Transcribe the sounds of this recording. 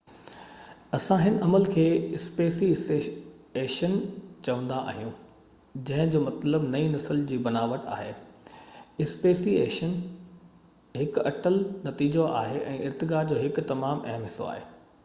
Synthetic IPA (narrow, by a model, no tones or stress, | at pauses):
ɐsãɦɪnʔɐməlkʰeːɪspeːsie | eːʃənt͡ɕɐʋə̃nd̪aʔːɦijũː | d͡ʑɐ̃ɦɪ̃d͡ʑoːmɐt̪ləbnɐinɐsəld͡ʑiːbɐnaːʋəʈa̰ːɦeː | ɪspeːsiḛːʃən | ɦɪkɐʈəlnɐt̪iːd͡ʑoa̰ːɦeʔɛ̃ːʔɪɾt̪ɪɡaːd͡ʑoːɦɪkʊt̪ɐmaːmʔɐɦmɦɪso̰a̰ːɦeː